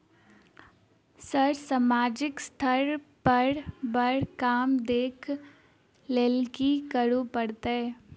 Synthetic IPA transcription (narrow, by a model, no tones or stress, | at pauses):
səɾsamaːd͡ʒɪkst̪ʰəɾpəɾbəɾkaːmd̪eːkʰ | leːlkikəɾupəɽt̪ɦɛ